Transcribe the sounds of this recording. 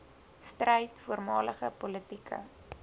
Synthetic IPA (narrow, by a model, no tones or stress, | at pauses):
strɛjtfuərmɑːləχəpɔlətikʰə̰